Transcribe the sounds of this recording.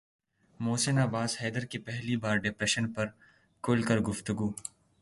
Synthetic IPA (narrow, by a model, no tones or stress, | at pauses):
moːsɪnaːbaːshɛːd̪əɾkepɛɦlibaːɾɖɪpɾɛʃənpɐɾ | kʊlkɐɾɡʊft̪ʊɡuː